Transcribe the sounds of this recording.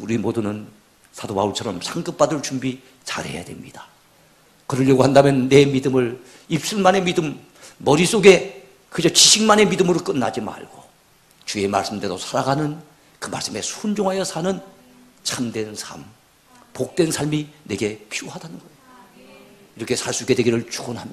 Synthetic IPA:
uɾimodunɯn | sʰadoba̰uɭt͡ɕʰʌɾʌmsʰaŋɡɯp̚p͈adɯɭt͡ɕumbi | t͡ɕa̰ɾhe̞̰ja̰dwe̞̰mɲid̥ḁ | kɯɾɯɭjʌɡohandamjʌnːe̞midɯmɯɭ | ip̚s͈ɯɭmane̞midɯmː | ʌɾis͈oɡe̞ | kɯd͡ʑʌt͡ɕiɕʰiŋmane̞midɯmɯɾok͈ɯnːa̰d͡ʑima̰ɭɡ̥o | t͡ɕue̞ma̰ɭs͈ɯmde̞dosʰaɾaɡanɯn | kɯma̰ɭs͈ɯme̞sʰund͡ʑoŋɦajʌsʰanɯn | t͡ɕʰamdwe̞nsʰa̰m | pok̚t͈we̞nsʰaɭmine̞ɡe̞pʰioɦadanɯnɡʌ | iɾʌkʰe̞sʰaɭs͈uiɡe̞dwe̞ɡiɾɯɭt͡ɕuɡʌnɦamɲia

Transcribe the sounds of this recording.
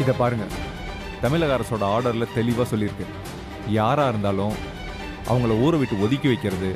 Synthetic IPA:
ɪðɐpaːɾɯŋɡɐ | t̪ɐmɪlɐɣaːɾɐsoːɽɐaːɾɽɐɾlɐt̪ɛlɪʋaːsɔlːɪɾɯkːɯ | jaːɾaːɪɾɯnd̪aːlʊ̃ | ʔɐ̰ʋɐŋɡɐɭɐuːɾɐʋɪʈːɯɔðɪkʲːɐʋɐɪkːɪɾɐðɯ

